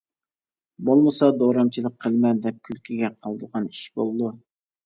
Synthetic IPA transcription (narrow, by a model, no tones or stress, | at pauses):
bolˠməsɑd̪oɾɑmt͡ʃʰilˠək̚ʲqʰːəlˠmɛnd̪ɛp̚kʲʰylkʲʰiɡʲɛqʰɑlˠd̪əʁɑni̥ʃbolˠd̪u